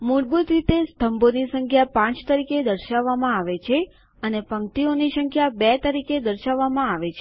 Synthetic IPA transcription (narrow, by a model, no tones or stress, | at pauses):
muɾbut̪ɾit̪est̪ʰəmbonisəŋkʰjapãt͡ʃt̪əɾiked̪əɾʃaʋːamãaʋet͡ʃʰe | ənepəŋt̪ionisəŋkʰjabɛt̪əɾiked̪əɾʃaʋːamãaʋet͡ʃʰe